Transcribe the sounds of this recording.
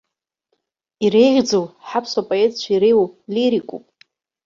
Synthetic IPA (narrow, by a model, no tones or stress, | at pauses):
iɾejʒʲd͡zowħapʰsapʼoetʼt͡ʃʷʰaiɾejwliɾikʼṵpʼ